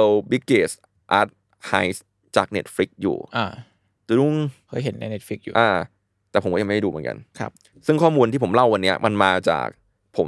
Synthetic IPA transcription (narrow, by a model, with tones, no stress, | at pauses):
ɤ˧wbi˦˥kːeː˨˩s | ʔa˦˥t̪̚ | ha˧˥js | t͡ɕaː˨˩k̚ne˦˥t̪̚fɾi˦˥k̚jṵː˨˩ʔaː˧˩ | t̪u˧du˥˩ŋhɤ˦˥jɦe˩˦nːa̰˧˥ne˦˥t̚fi˦˥k̚jṵː˨ʔaː˧ | t̪ɛː˨˩pʰo˩˦mkɔː˥˩˧m˥˩˥duː˧m˩˦ka̰˧nkʰa̰˦˥p̚ | sɯ˥˩ŋkʰɔː˥˩muː˧nt̪ʰiː˥˩pʰo˩˦mla˥˩wːa˧nːi˦˥ɐmʔa˧nmaː˧t͡ɕa̰ː˨˩k̚ | pʰo˩˦m